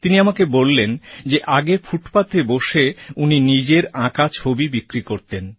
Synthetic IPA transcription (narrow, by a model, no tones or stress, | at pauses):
t̪iniamakebolːend͡ʑeʔaɡefuʈpat̪eboʃeuninid͡ʑeɾãkat͡ɕʰobibikɾikoɾt̪en